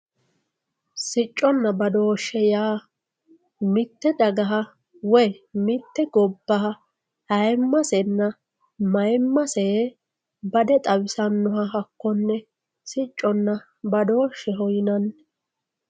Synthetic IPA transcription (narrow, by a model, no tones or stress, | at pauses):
sɪt͡ʃʼːɔnːɐbɐd̪oːʃːɛjaː | mɪt̪ːɛd̪ɐɡɐɦɐ | wɔjmɪt̪ːɛɡɔbːɐɦɐ | hɐjmːɐsɛnːɐ | mɐjmːɐseː | bɐd̪ɛt̪ʼɐwɪsɐnːɔɦɐɦɐkːɔnːɛ | sɪt͡ʃʼːɔnːɐ | bɐd̪oːʃːɛɦɔjɪnɐn